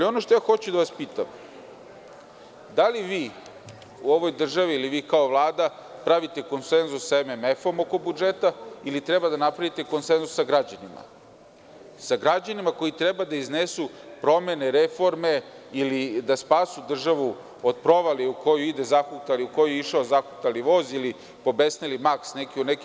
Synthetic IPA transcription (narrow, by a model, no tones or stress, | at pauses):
alio̞noʃt̪ojaːxo̞t͡ɕud̪aʋaspiːt̪a̰m | d̪aliʋiː | uo̞ʋo̞jd̪r̩ʒaʋiːliʋiːkao̞ʋlˠaːd̪apɾaʋit̪e̞ko̞nse̞nzusːaememefo̞mo̞ko̞bud͡ʒet̪ailit̪ɾebad̪anapɾaʋit̪e̞ko̞nsenzusːaɡɾad͡ʑanima̰ | saɡɾad͡ʑanimako̞jit̪ɾebad̪aiznesupɾo̞me̞ne̞ɾefo̞ɾme̞ilid̪aspaːsud̪r̩ʒaʋu | od̪̚pɾo̞ʋaliuko̞juid̪e̞zaxut̪aliuko̞jueiʃaozaxut̪aliʋo̞ːzili | po̞besnelimaksnekiuneki